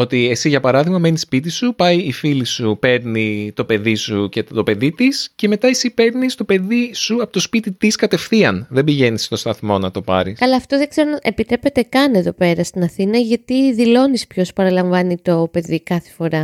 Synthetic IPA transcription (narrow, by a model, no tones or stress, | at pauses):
o̞t̪ie̞siʝɐpɐɾɐðiɣmɐme̞nispit̪isupɐiːfilisupe̞ɾnit̪o̞pe̞ðisuceo̞pe̞ðit̪isce̞me̞t̪ɐesipe̞ɾnist̪o̞pe̞ðisuɐpot̪o̞spit̪it̪iskɐt̪e̞fθiɐnðebiʝe̞nist̪ost̪ɐθmo̞nɐt̪o̞pɐ̰ɾisɐlɐːft̪oðeɡ̥ze̞ɾonɐʔepit̪ɾe̞pe̞t̪e̞kɐne̞ðo̞pe̞ɾɐst̪inɐθinɐʝɐt̪iðilo̞nispço̞spɐɾɐlɐɱvɐnit̪o̞pe̞ðikɐθefo̞ɾɐ